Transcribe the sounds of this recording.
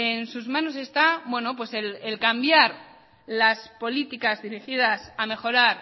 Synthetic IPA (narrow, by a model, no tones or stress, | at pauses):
ensuzmãno̞s̬e̞st̪abwe̞no̞p̬we̞selelkambjaɾ | laspo̞lit̪ikazðiɾixið̞asame̞xo̞ɾaɾ